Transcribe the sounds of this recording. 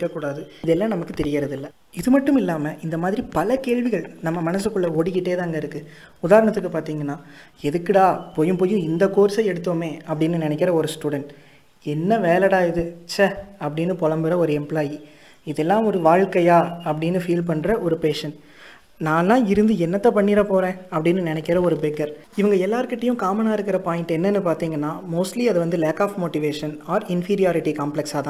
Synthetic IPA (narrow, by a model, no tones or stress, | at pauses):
kːɐkːuːɽaːðɯɪðɛlːãːnɐmɐkːɯt̪ɛɾɪjɐɾɐðɪlːɐ | ɪðɯmɐʈːɯmɪlːaːmɐʔɪnd̪ɐmaːðɪɾipɐlɐkeːɻʋɪɣɐɭnɐmːɐmɐnɐs̬ɯkːɯɭːɐoːɽɪkːɪʈːeːt̪ãːŋɡɐɪɾɯkːɯ | ʊðaːɾɐɳɐt̪ːɯkːɯpaːɾt̪iːŋɡɐnːaː | ɛðɯkːɪɽaːpoːjɯ̃mpoːjɯ̃ɪnd̪ɐkːoːɾsɐɛɽɯt̪ːoːmeːɐpːɐɽɪnːɯnɪnɛk̬ːɪɾɐɔɾɯsʈuːɽɐɳʈ | ɛnːɐʋeːlɐɽaːɪðɯt͡ʃɐɐpːɐɽɪnːɯpɔlɐmbɪɾɐɔɾɯɛmplaːji | ɪðɛlːãːɔɾɯʋaːɻkɐjaːɐpːɐɽɪnːɯfiːlp̬ɐɳːɾɐʔɔɾɯpeːʂɐn | nãːlːãːɪɾɯnd̪ɯɛnːɐt̪ːɐpɐɳːiːɾɐpoːɾẽːɐpːɐɽɪnːɯnɪnɛkʲːɪɾɐɔɾɯbɛɡɐɾ | ɪʋɐŋɡɐɛlːaːɾɯkɪʈːɐjʊ̃kaːmɐnaːɪɾɯkːɪɾɐpaːjɪ̃ɳʈɛnːɐnːɯpaːɾt̪iːŋɡɐnːaːmoːsʈliɐðɯʋɐnd̪ɯleːkaːfmoːʈiʋeːʂɐnaːɾɪnfiːɾɪjaːɾɪʈikaːmplɛksaːt̪ãː